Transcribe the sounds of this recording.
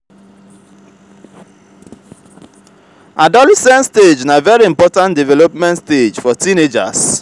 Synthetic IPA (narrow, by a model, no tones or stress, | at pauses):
adɔlɛsɛ̃nsted͡ʒnavɛɹiĩmpɔtãndivɛlɔpmɛ̃ntsted͡ʒfɔtĩned͡ʒa̰s